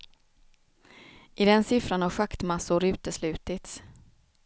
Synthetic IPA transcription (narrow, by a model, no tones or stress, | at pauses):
ʔɪd̪ɛnsɪfɾanhaɧakt̪masʊɾʉ̟ːt̪əslʉ̟ːt̪ɪt̪s